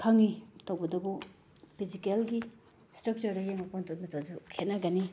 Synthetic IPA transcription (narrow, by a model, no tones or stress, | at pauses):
kʰaŋitawbɐdɐbu | pʰizikelɡi | stɾɐk̚t͡ʃɐɾdɐjeŋapontomitʰazukʰet̚naɡani